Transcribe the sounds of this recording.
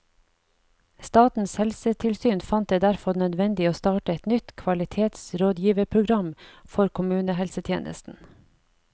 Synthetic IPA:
st̪ɑːt̪n̩shɛlsət̪ʰɪlsyːnfɑnt̪̚d̪eːd̪æɾfɔɾnœd̪ʋɛnd̪ɪoːst̪ɑːʈəɛt̪nʏt̪kʰʋɑlɪt̪ʰeːt̪sɾoːd̪jiːʋəɾpʰɾʊɡɾɑmfɔɾkʰʊmʉːnəɦɛlsət̪ʰjḛːnʔə̰st̪n̩

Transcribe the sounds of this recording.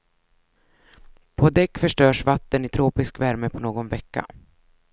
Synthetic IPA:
pʰɔd̪ɛkːfœʂʈœːʂvat̪ːənɪt̪ʰɾoːpɪskvæɾməpʰɔnoːɡɔnvɛkːa̰

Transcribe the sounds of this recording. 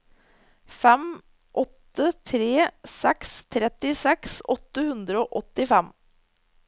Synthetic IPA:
fɛm | ʔɔt̪ːət̪ʰɾeːsɛkst̪ʰɾɛt̪ɪsɛksɔt̪ːəhʉnd̪ɾəoːʔɔt̪ɪfɛm

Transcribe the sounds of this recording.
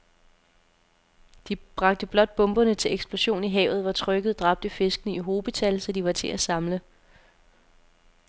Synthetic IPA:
d̥ib̥ʁɑ̈ɡ̥̚d̥əb̥lɒ̽d̥̚b̥ɔ̽mb̥ɐnət͡sʰe̝leɡ̥sb̥lo̝ɕo̝̰ːniɦɛ̰ʊð̞̩ˠʋɑ̈t͡sʰʁœɡ̥əð̞̩ˠd̥ʁɑ̈b̥̚d̥əfe̝sɡ̥ənəiɦo̝ːb̥ət͡sʰælsɒd̥iʋɑ̈t͡sʰe̝ʔæsɑ̈mlə

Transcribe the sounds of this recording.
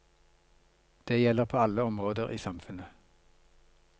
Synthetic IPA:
d̪̥eːjɛləʁpʰoːɑləɔmʁoːd̪əʁʔḭːsɑmfʉnə

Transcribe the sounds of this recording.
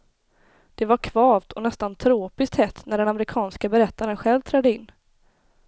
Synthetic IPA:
d̪̥ɛvaɾkʰvɑːvt̪ʰɔnɛst̪ant̪ʰɾoːpɪskt̪hɛt̪ːnæɖɛnamɾɪkʰɑːnskabɛɾɛt̪ːaɾənɧɛlvt̪ʰɾɛd̪əɪnː

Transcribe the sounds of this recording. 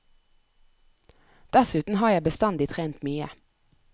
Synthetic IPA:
d̪̥æsʉːt̪n̩ɦɑːjæɪbəst̪ɑnd̪ɪt̪ʰʁeːnt̪myːə

